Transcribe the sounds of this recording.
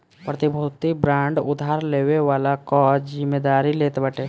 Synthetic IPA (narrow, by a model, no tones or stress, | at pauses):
pɾət̪ɪbʱot̪ibɾãːɳɖʊd̪ʱaːɾleːweʋaːlakɔːzɪmːeːd̪aːɾileːt̪bəʈeː